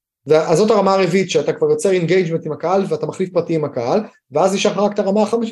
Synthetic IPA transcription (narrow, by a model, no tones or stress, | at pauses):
veaʔazo̞taʁamaːʁevitʃeatakvaʁjo̞t͡seʁenɡejd͡ʒmentimakaalveatamaχlifpʁatiːmhakaal | veazniʃaχʁakt̪aʁamaːχameʃ